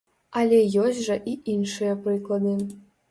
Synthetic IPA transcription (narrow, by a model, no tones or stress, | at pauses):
alʲɛjosʲtʲʐɐʔiʔinʂɨjɐprɨklˠɐd̪ɨ